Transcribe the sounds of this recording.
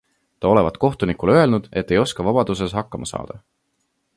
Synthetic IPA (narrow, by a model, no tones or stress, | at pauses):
t̪ɑo̞le̞vɑt̪ˑko̞ht̪unikulø̞e̞lnud̪̥e̞t̪ːe̞jo̞skɑvɑb̥ɑd̪̥us̬e̞sɦɑkːɑmʔɑsɑ̰ːd̪̥ɑ